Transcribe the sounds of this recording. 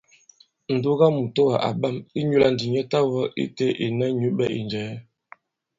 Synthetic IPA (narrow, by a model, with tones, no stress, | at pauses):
n̩˨du˦ɣa˦mu˨to˦wa˨ʔa̰˨ba˦˨mi˦ɲu˦la˦n̩˨di˨ɲɛ˦ta˦wɔ˦ʔḭ˦te˦ʔi˨nɛ˦ɲu˦bɛ˦ʔḭ˨nd͡ʒɛː˨˦